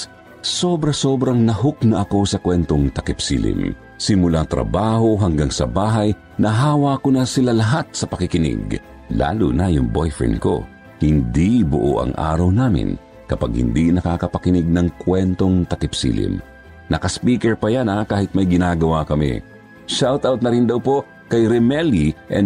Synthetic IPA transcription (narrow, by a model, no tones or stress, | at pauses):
soːbɾɐso̞ːbɾɐŋnɐɦok̚nɐʔɐko̞sɐkwɛnt̪oŋt̪ɐkɪpsḭːlɪ̰m | sɪmʊlat̪ɾɐ̰baːho̞ɦɐŋɡaŋsɐ̰baːɦɐj | nɐɦaːwɐkonɐsɪlalɐɦat̪̚sɐpɐkɪkɪnɪ̰ɡ | la̰ːlʊnɐjʊŋbo̰jfɹɛ̰nko̞̰ | hɪnd̪ibʊʔo̰ʔɐ̰ŋʔa̰ːɾɐwnaːmɪ̰n | kɐpaɡ̚hɪ̰nd̪inɐkaːkɐpɐkɪnɪɡ̚nɐŋkwɛnt̪o̞ŋt̪ɐkɪpsḭːlɪ̰m | nɐkɐspiːkɛɹpɐjanɐkaːhɪt̪̚mɐjɡɪnaːɡɐwakɐmḭ | ʃawt̪awt̪nɐɾind̪ɐwpo̞ʔ | kɐjɾɛmɛliʔɛ